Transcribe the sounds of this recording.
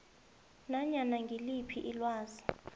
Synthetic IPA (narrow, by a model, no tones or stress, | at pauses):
naɲanaŋɡʱilipʰiʔilwaːzi